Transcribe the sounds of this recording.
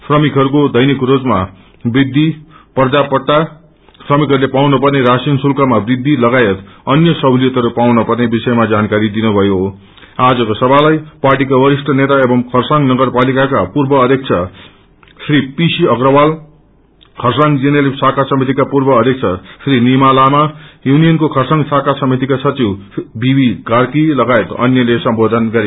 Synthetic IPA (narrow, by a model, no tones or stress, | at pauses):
pʰrʌmikɦʌɾukod̪ʌjnikrod͡zma | brid̪ʱːiprd͡zapʌʈ̪ːa | srʌmikɦʌɾulepawnʌpʌrneɾasinsulkʰamabrid̪ʱːilʌɡajet̪ʌnjʌsʌblijʌt̪ʌɾupawnʌpʌrnebisʌjemad͡zankaɾid̪inubʱʌjo | ad͡zʌkosʌbʱalajparʈikawʌɾisʈʌnet̪aebʌŋkʰʌrsaŋnʌɡʌrpalikakapurbʌʌd̪ʱjʌk̚t͡sʰʌ | sripisiʌɡrʌwal | kʰʌrsaŋd͡zinelesakʰasʌmit̪̬ikapurbʌːd̪ʱjʌk̚t͡sʰʌsrinimalamajunijʌnkokʰʌrsaŋɡsakʰasʌmit̪ikasʌt͡siwbibikarkilʌɡajet̪ʌ̰njʌlesʌmbod̪ʱʌnɡʌɾe